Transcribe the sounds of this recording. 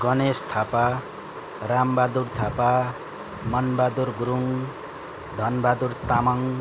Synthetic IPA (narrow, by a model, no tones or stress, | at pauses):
ɡʌnest̪ʰapa | rambad̪urt̪ʰapa | mʌnbad̪uɾɡuɾuŋ | d̪ʱʌnbad̪urt̪amʌŋ